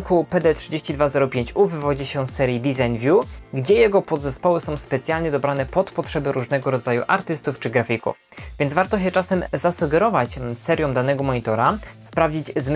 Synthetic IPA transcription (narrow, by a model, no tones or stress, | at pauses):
kupɛd̪ɛtʂɘd͡ʑeɕt͡ɕid̪vazɛɾɔpʲjeɲt͡ɕuvɘvɔd͡ʑiɕɛsːɛɾjid̪izajnvʲjuɡd͡ʑɛjɛɡɔpɔd̪zɛspɔwɘsɔ̃w̃spɛt̪sʲjalɲɛd̪ɔbɾanɛpɔt̪pɔtʂɛbɘɾuʐnɛɡɔɾɔd̪zajuʔaɾt̪ɘst̪uft͡ʂɘɡɾafʲikṵf | vʲjɛnd̪zvaɾt̪ɔɕ̬ɛt͡ʂasɛmzasuɡɛɾɔvat͡ɕsɛɾʲjɔ̃m̃d̪anɛɡɔmɔɲit̪ɔɾaspɾavd͡ʑid͡ʑzm